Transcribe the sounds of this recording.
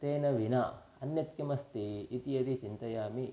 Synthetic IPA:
t̪eːnɐʋina | ɐnjɐt̪kɐmɐst̪iːt̪ijɐd̪it͡ʃint̪ɐjaːmi

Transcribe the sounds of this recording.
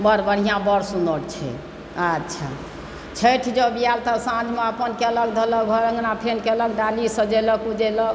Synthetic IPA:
bəɾbəɽ̤ijãbəɾsunəɽt͡ʃʰɛ̰ | ətːʃʰa̰ | t͡ʃʰeʈʰid͡ʒəbijalt̪ɔsãd͡ʒmeəpənkɛlək̚d̪ʱələkbʱəɾəŋɡnapʰenkɛləkɖalisəd͡ʒeləkud͡ʒelɔk

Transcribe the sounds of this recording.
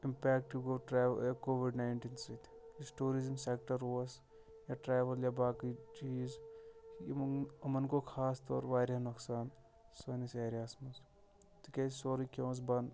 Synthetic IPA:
impeːk̚ʈiʋkoːʈɾeːʋ̰jakoːʋiɖnaːɪɳʈiːnsit̪ʰ | isʈuːɾizmseːk̚ʈɐɾoːɐs | jaːʈɾeːʋɐljabaːkit͡ʃiːz | ɐmɐnkokʰaːst̪ɔ̰ːɾʋaːɾɐnɐksaːn | soːniseːɾijaːsmɐs | t̪ikʲesoːɾikʲõːs̬bɐn

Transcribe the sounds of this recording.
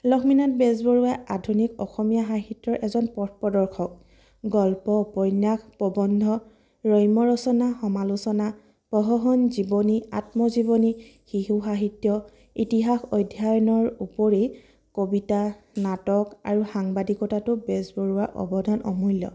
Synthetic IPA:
lɔkʰminatbɛzbɔɹuwaadʱunikɔxɔmijaɦaɦitjɔɹʔɛzɔnpɔtpɔdɔɹkʰɔk̚ | ɡɔlpɔpɔjnːaxpɔbɔndʱɔ | ɹɔjmɔɹɔsɔnaxɔmalusɔna | pɔɦɔɦɔnzibɔnia̰tmɔzibɔnixiɦuxaɦitjɔ | itiɦaxɔjdʱːajɔnɔɹupɔɹe | kobita | natɔka̰ɹuxaŋbadikɔtatʊbɛzbɔɹuwaʔɔ̰bɔdʱanʔɔ̰mujlːɔ̰

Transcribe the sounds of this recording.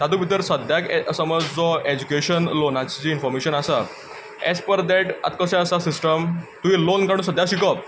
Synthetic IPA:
t̪ad̪ubʱit̪əɾsəd̪ʱjaksəməd͡zd͡zɔed͡ʑukeɕənlonat͡ɕt͡ɕiinfɔɾmeɕənasa | ɛ̰spəɾd̪ɛʈa̰t̪kəsaəsasisʈəmt̪uilonkaɽ̃ũs̬əd̪ʱjaɕikə

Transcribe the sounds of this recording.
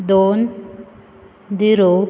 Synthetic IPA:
d̪on | d̪iɾo

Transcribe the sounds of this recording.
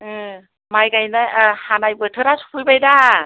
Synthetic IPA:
ɯ | majɡajnahanajbɯtʰɯɾasʰu̥pʰɯjbajda

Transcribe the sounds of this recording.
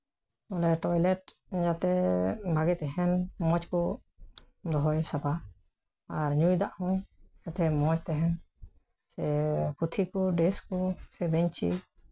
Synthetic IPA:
ɔlɛʈɔjlɛʈd͡ʒat̪ɛbʱaɡɛt̪ɛɦɛnmɔt͡ʃkɔ | d̪ɔɦɔjsapa | aɾɲujd̪aʔhɔ̃ | ɛʈʰɛmɔt͡ʃt̪ɛɦɛn | sɛput̪ʰikɔɖeskɔsɛbɛɲt͡ʃḭ

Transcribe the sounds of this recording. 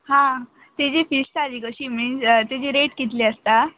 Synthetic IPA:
hã | t̪ed͡ʑefisʈad͡ʑikəɕimist̪ed͡ʑiɾeʈkit̪leəst̪a

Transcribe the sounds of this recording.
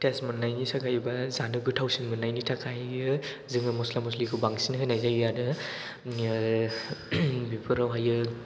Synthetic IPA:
tesmɯnːajnisakʰajbazanɯɡɯtʰawsinmɯnːajnitʰakʰajɯ | zɯŋɯmɔslamɔslikʰɯbaŋsinkʰɯjnajzajadɯ | bipʰɯɾawɦajɯ

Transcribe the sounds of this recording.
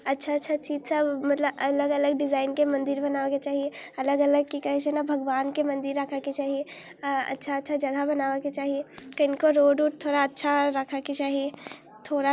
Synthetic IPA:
ɐtːʃʰatːʃʰat͡ʃiːd͡ʒsəbmɐt̪ləbɐləɡələɡ̚ɖɪzaːɪnkemɐ̃nd̪ɪɾbɐnaːʋaket͡ʃaːɦieɐləɡələɡ̚kikɐɦet͡ʃɛnabʱɐɡʋaːnkemɐ̃nd̪ɪɾːəkʰaket͡ʃaːɦie | ɐ̰tːʃʰaətːʃʰad͡ʒɐɡabɐnaːʋaket͡ʃaːɦiekɐnkoɾoːɖuːʈ̚t̪ʰoːɽaɐtːʃʰaɾəkʰaket͡ʃaːɦie | t̪ʰoːɽa

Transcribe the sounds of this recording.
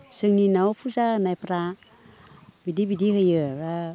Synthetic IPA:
sɯŋninaopʰuzanajpɾa | bidibidihɯjɯɾa

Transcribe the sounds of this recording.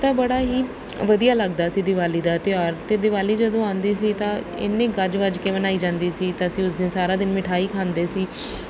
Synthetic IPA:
t̪ãːbəɽaːɦiː | ʋəd̪ijaːləɡd̪aːsiːd̪ɪʋaːliːd̪aːt̪ɪaːɾt̪eːd̪ɪʋaːliːd͡ʒəd̪õːãːnd̪iːsiːt̪ãːɪ̰nːẽːɡəd͡ʒʋəd͡ʒkeːbənaːiːd͡ʒãːnd̪iːsiːt̪ãːəsĩːʊsd̪ɪnsaːɾaːd̪ɪnmɪʈʰaːiːkʰãːnd̪eːsiː

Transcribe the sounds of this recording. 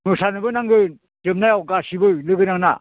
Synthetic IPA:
ŋɯsanɯbɯnaŋɡɯn | tɯmnajawɡasibɯjlɯɡɯnaŋna

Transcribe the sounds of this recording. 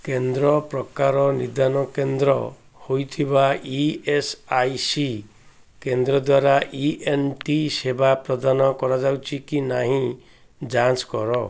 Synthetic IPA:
kend̪ɾɔpɾɔkaɾɔnid̪anɔkend̪ɾɔ̰ | hojt̪ʰibaiesajsi | kend̪ɾɔd̪waɾaʔienʈisebapɾɔd̪anɔkɔɾad͡ʒawt͡ʃʰikinaɦĩ | d͡ʒanskɔɾɔ

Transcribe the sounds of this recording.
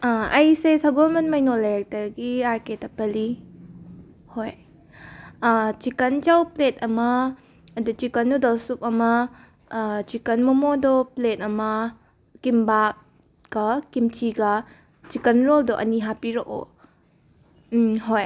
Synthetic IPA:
aɐjsesɐɡolmɐnmɐjnoleɾek̚tɐɾɡiaɾketɐpɐli | hoj | t͡ʃikɐnt͡ʃawplet̚ɐmɐː | dut͡ʃikɐnːudɐlsup̚ɐmɐ | t͡ʃikɐnmumodɔplet̚ɐmɐ | kimba | ɡ̥ɐkimt͡ʃiɡɐ | t͡ʃikɐnɾoldoʔɐ̰niɦapiɾoʔo̰ | ɦoj

